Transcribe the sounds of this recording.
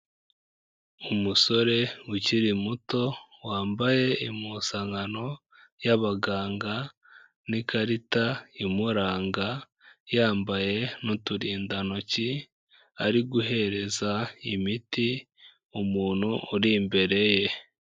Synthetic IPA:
umuso̞ɾe̞wuciɾimuto̞waːmbaje̞imusaŋano̞ | jaβaɡaːŋɡa | nikaɾitaimuɾaːŋɡa | jaːmbaje̞nutuɾiːndanoci | aɾiɡuɦe̞ɾe̞zaimiti | umuːn̥huːɾimbe̞ɾe̞je̞

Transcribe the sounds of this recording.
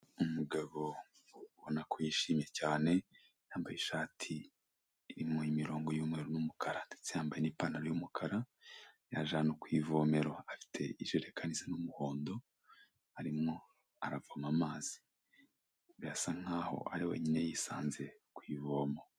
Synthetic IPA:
umuɡaβo̞ | βonakʰojiːʃiːmje̞caːne̞ | jaːmbajeʃaːtʰiː | ɾimoimiɾo̞ːŋɡojuːmŋeːɾunumukʰaɾadet͡sijaːmbajenipaːnaɾojumukʰaɾa | jaʒaːnokwiːvo̞ːme̞ɾoafi̥tʰe̞iʒeɾekʰanisanumuho̞ːndo̞ | aɾimŋo̞ | aɾavamamaːz̥i̥ | βasaŋ̥aːho̞̰a̰ɾiwḛɲine̞jisaːnze̞kwiːvoːmo

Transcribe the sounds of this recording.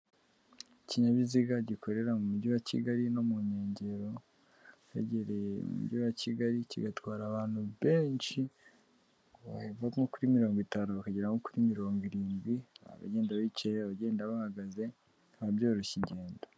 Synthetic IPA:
eciɲaβiziɡaɟikʰo̞ɾe̞ɾamumuɟiwacḭɡaɾino̞muɲe̞ːɲɟe̞ɾo̞ | jḛɟeɾemṵṵmṵɟiwaciɡaɾicḭɡatwaːɾaːβaːn̥huβe̞ːnʃi | βavaŋokuɾimiɾo̞ːŋɡitaːnuβakaɟeɾaŋokuɾimiɾo̞ːŋɡiɾiːnɡɡwia̰βa̰ɟeːndaβit͡ʃejβaɟe̞ːndaβahaɡaze̞ | aβaβjo̞ːɾoʃiɟeːndo

